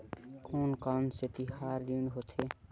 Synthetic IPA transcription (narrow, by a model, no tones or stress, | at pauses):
kʰoːnkanset̪iɦaːɾd̪ind̪ɦot̪ʰe